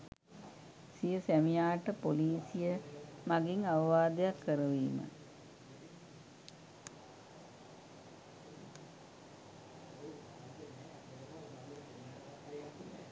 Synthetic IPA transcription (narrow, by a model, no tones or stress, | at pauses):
sijəsæmijaːʈəpoliːsijəmaɡiŋaʋɐʋaːd̪ejakːəɾəʋiːmə̰